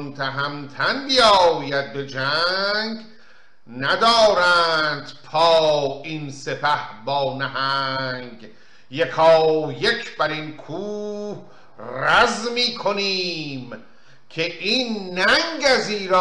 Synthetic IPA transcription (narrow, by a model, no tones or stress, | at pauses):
nt̪ʰæɦæmt̪ʰænbijɒːjæd̪̚be̞d͡ʒæŋɡ | næd̪ɒːɾænd̪pʰɒːinse̞pʰæhbɒːnæɦæŋɡ | jekʰɒːjekʰbæɾinkʰuːh | ræzmiːkʰoniːm | kʰeʔiːnːæŋɡæziːɾ